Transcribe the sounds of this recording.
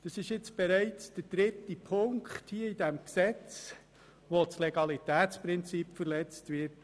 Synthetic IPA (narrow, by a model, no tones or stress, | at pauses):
d̥ɑsɪʃjɪt͡sb̥ɛɾæɪt͡sd̥əɾd̥ɾɪtːipʰʊŋkχthiəid̥ɛmksɛt͡s | ʋot͡sleɡɑlitæːtt͡spɾɪnt͡sipfəɾlɛt͡stʋɪɾt